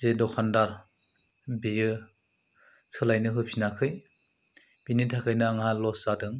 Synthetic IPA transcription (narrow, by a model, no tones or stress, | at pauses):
zedɔkʰandaɾ | bijɯ | sʰɯlajnɯɦɯpʰinakʰɯj | b̥initʰakʰɯjnɯaŋɦalɔsadɯŋ